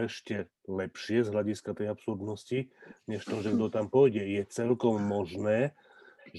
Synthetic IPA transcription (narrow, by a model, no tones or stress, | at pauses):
ɛʃcɛ | lɛpʃɪɛzɦlaɟiskat̪ɛjapsuɾd̪nɔsciɲɛʃt̪ɔʒɛɡd̪ɔt̪ampɔjɟɛjɛt͡sɛlkɔmːɔʒnɛː